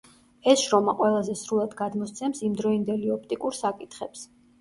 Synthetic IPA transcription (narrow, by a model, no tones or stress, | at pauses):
ɛsʃɾɔmaqʼwɛlˠazɛsɾulˠad̪ɡad̪mɔst̪sʰɛmsimd̪ɾɔind̪ɛliɔp̚ʰt̪ʼikʼuɾsakʼit̪ʰχɛps